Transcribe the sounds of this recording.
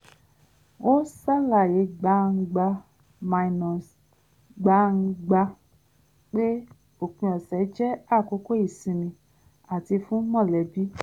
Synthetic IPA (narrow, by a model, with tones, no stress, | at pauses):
o˦sa˦la˨je˨˦ɡ͡ba˧˦ŋ̩˧ɡ͡ba˧ | mã˨i˨nɔ̃˨s | ɡ͡ba˧˦ŋ̩˧ɡ͡ba˧ | k͡pe˦ | o˦˨k͡pĩ˧˦ɔ˨sɛ˨˦d͡ʒɛ˦a˦˨ko˦ko˦i˦˨sĩ˧mĩ˧ | a˨ti˧fũ˦mɔ̃˦˨lɛ˨bi˦